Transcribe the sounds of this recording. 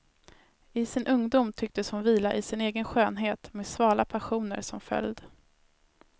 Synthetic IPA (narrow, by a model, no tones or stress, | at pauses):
ɪsɪnʔɵŋd̪uːmt̪ʰʏk̚t̪əshʊnviːlaʔɪsɪneːɡənɧøːnɦeːt̪meːd̪svɑːlapʰaɧuːnə̰ɾsɔmfœ̰ljd̪